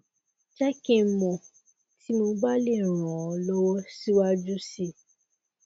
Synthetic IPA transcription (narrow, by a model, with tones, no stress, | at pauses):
t͡ʃɛ˦ke˧˦mɔ̃˨ | ti˨˦mo˧ba˦le˦˨ɾ̃ɔ̃˨ɔ˨˧lɔ˦wɔ˦si˦wa˦d͡ʒu˦si˧